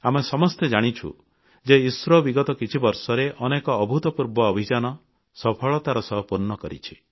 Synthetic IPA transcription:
amesɔmɔst̪ed͡ʒaɽ̃it͡ʃʰṵ | d͡ʒeisɾɔbiɡɔt̪ɔkit͡ʃʰibɔɾsɔɾeʔɔnekɔːbʱut̪ɔpuɾbɔːbʱid͡ʒanɔ | sɔpʰɔɭɔt̪aɾɔsɔɦɔpuɾnːɔkɔɾḭt͡ʃʰi

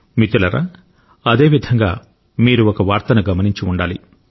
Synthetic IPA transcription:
mit̪ulɐɾa̰ː | ɐd̪e̞ːʋid̪ʱɐŋɡa̰ː | miːɾuokɐʋaːɾt̪ɐnuɡɐmɐniɲt͡ʃiuɳɖaːlḭ

